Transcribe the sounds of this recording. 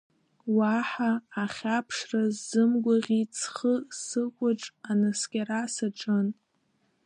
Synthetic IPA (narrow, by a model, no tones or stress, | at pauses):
waħaːχʲapʰʂrazːɨmɡʷaʁʲit͡sʰχəsɨkʷʼʊʈ͡ʂʼanɨskʲʼarasaʈ͡ʂʼɨn